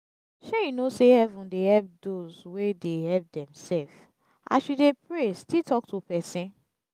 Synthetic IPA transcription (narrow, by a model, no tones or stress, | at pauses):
ʃejinosehɛvũdehɛlp̚dozwedeɦɛlp̚dɛ̃msɛlf | ʔa̰ʃudepɹestitʰɔk̚tʰupɛsĩn